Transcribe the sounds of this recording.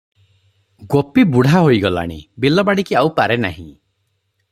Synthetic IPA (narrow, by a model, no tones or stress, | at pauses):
ɡopibuɽ̤ʱaɦojɡɔla̰ɽ̃ḭbilɔbaɽikiawpaɾena̰ɦḭ̃